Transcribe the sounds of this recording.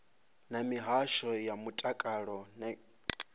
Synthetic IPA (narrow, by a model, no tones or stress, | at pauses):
namiɦaʃɔjamutʼakʼaɺɔn